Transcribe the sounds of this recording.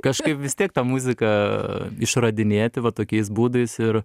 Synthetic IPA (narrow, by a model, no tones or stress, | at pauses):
kɐʃkɐɪpʋʲɪst̪ʲiɛk̚t̪ɑːmuzʲɪkɐɪʃrɐd̪ʲɪnʲeːt̪ʲɪʋɐt̪oːkʲɛɪs̬buːd̪ɐɪsɪr